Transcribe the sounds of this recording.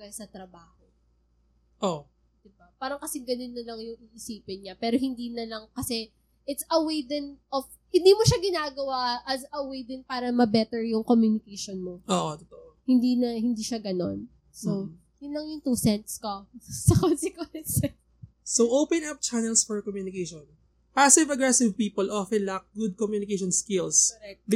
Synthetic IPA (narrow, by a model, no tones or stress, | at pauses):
kɐsɐt̪ɾɐbaːho | ʔoʔ | d̪̥ɪbapaːɾɐŋkɐsɛɡɐnonːɐlɐŋjʊŋʔɪʔɪsiːpɪnɲapɛːɾoɦɪnd̪iːnɐlɐŋkɐsɛ | ʔɪt̪sɐwejd̪ɛnʔof | hɪ̃nd̪iːmoʃaɡɪnaːɡɐwaʔɐzɐwejd̪ɪnpaːɾɐmɐbɛt̪ɛɹjʊŋkomjunɪkejʃonmoʔoːʔot̪ot̪oʔohɪnd̪iːnɐhɪnd̪iʃaɡɐno̞̰n | so | jʊnlɐŋjʊŋt̪usɛnt̪skosɐkonsɪkɛnsɛ | sowʔopɛ̃nap̚t͡ʃanɛlsfɔɹkɔmjuːnɪkejʃɔn | pasɪvɐɡɹɛsɪvpiːpɔlʔɔfɛ̃nlak̚ɡud̪̚kɔmjunɪkeʃɔnskɪlsɛk̪̚d